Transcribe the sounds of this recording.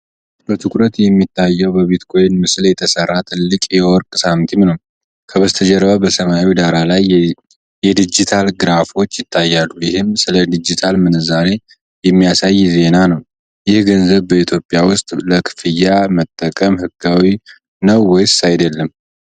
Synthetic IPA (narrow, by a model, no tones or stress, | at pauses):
bət̪ʰɨkʼɾət̪jɛmːit̪ʰːajːɛwbəβet̪kʰo̞jɪnmɨsljɛt̪ʰəsərːat̪ʰɨlːɨkʼjɛwɔɾkʼsamt̪ʰimnəw | kʰəβəst̪ʰəd͡ʒɛɾəbabəsəmawid̪aɾalaj | jɛd̪ɨd͡ʒit̪ʰalɡɨɾafo̞t͡ʃːjɪt̪ʰːajːalːujɪhɨmsɨləd̪ɨd͡ʒit̪ʰalmɨnɨzale̞ | jɛmːijasajːze̞nanəw | jɪhɡənzəβbəit̪ʰjo̞pʼːjawʊst̪ʼləkʰɨ̥fɨjːamət̪ʼːəkʼəmhɨɡawi | nəwːɔjsajd̪əlːəm